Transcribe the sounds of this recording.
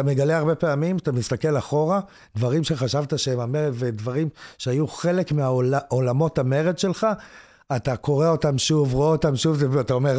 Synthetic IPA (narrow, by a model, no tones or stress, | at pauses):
ame̞ɡaleaʁbe̞pe̞amimat̪amist̪ake̞laχo̞ʁa | d̪vaʁimʃe̞χaʃavt̪aʃeemameʁedve̞dvaʁimʃe̞ajuχe̞le̞kmeaolaolamo̞tame̞ʁedʃe̞lχaː | tako̞ʁeo̞tamʃuvʁoeot̪amʃuvzeatao̞meʁ